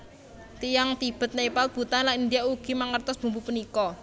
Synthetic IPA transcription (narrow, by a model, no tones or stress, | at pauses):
t̪ijaŋt̪ib̥ə̤t̪̚nepalt̪̚b̥ṳt̪anlanind̪ijauɡ̥i̤maŋərt̪ʊsb̥ṳmbupənikɔ